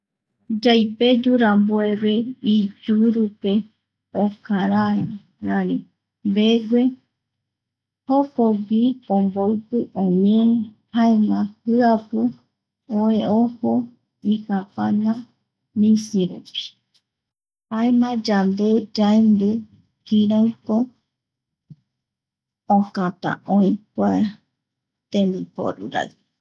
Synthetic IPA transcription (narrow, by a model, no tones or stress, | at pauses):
d͡ʒajped͡ʒuɾamboeβeid͡ʒuɾupe | okaɾae | nani | mbeɡʷe | hokoɡiõmboɨpɨʔõɲẽ | haemãhɨapɨ | oeoho | ihapãnã | mĩsiɾupi̥ | haemãd͡ʒand̪ed͡ʒaembɨ | kiɾaɨko | õkãt̪ã̰ʔõĩkʷae | t̪ẽmb̪ipo̰ɾṵɾa̰ɨ